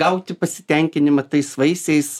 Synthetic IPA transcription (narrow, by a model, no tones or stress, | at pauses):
ɐʊt̪ʲɪpɐsʲɪ̥t̪ʲɛŋʲkʲɪnʲɪmɐt̪ɐɪsʋɐɪsʲɛɪs